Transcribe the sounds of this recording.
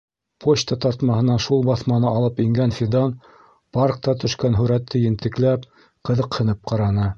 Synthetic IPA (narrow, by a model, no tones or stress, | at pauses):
pʰot͡ɕt̪ɑt̪ɑɾt̪mɑhɤ̆nɑʃulˠbɑθmɑnɤʔɑlˠɤpiŋɡænfʲid̪ɑn | park̚t̪ɑt̪ɵ̆ʃkænɦɵ̆ɾæt̪ʰːɘjɘ̆nt̪ɘ̆klæp | qɤ̆ðɤqhɤ̆nɤp̚qɑɾɑnɤ